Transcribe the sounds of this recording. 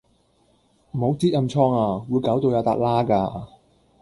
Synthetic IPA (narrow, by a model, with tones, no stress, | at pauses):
m̩˨˩ho˨˥wt͡siː˥t̚jɐ˧mt͡ʃʰɔː˧ŋaː˧wuː˨˧jkaː˨˥wt̪o˧wjaː˨˧t̪aː˧t̚laː˥kaː˧